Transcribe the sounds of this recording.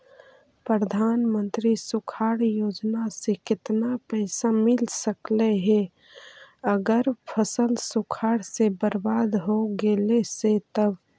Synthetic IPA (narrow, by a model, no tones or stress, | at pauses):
pɾəd̪ʱaːnmə̃nt̪ɾisukʰaːɽjoːd͡ʒnasekɪt̪napəɪsamɪlsəkleɦe | əɡəɾpʰəsəlsukʰaːɽsebəɾbad̪ɦoɡeleset̪əb